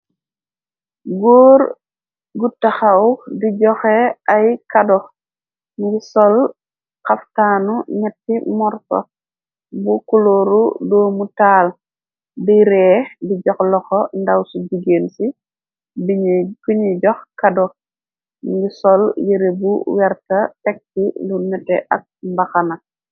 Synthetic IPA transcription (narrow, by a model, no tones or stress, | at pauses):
ɡuːɾ | ɡutːaxawdiɟɔxeʔajkadɔ | ŋɡisɔl | kaftaːnuɲɛtːimɔɾsɔ̰ | bukuloɾudoːmutaːl | biɾɛːdiɟɔxlɔxɔndawsuɟiɡeːnsi | bikiɲiɟɔxkadɔ | ŋɡisɔljiɾebuwɛɾtɐtɛk̚tilunɛtɛ̰ʔɐ̰k̚mbaxanɐ